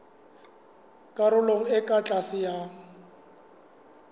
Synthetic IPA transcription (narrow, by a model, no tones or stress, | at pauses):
kʼaɾʊloŋ̩ɪkʼat͡ɬʼasɪja